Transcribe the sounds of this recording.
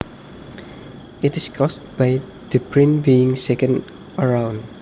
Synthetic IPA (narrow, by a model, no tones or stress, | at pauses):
itiskʰɔstbaj | d̥ipʰɹĩnbiɪ̃ŋsɛkə̃n | əɹãw̃n